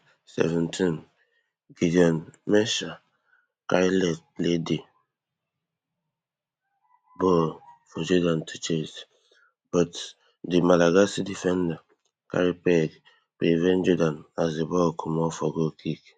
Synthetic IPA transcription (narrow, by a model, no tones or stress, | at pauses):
sɛ̰vɛ̃ntʰin | ɡ̥idiɔnmɛʃa | kaɾilɛt̚lede | bɔfɔd͡ʒɔdãntʰit͡ʃes | b̥ɔt | dimalaɡasidifɛ̃nda | ka̰ɾipɛd | pevɛnd͡ʒɔdãnazebɔkʰumɔfɔɡokʰik